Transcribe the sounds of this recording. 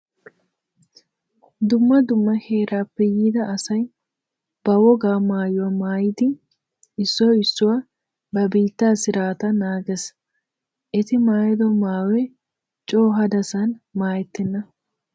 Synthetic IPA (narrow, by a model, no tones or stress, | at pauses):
d̪ʊmːɐd̪ʊmːɐheːɾaːpːɛjid̪ɐʔːsɐj | b̥ɐwɔɡaːmaːjɔmaːjɪd̪ɪ | ɪsːoːɪsːʊwɐ | bɐbiːt̪ːaːsɪɾaːt̪ɐnaːɡɛs | ʔɪt̪ɪmaːjd̪ɔmaːwɛ | t͡ʃʼoːɦɐd̪ɐsɐnmaːjɛt̪ːɛnːɐ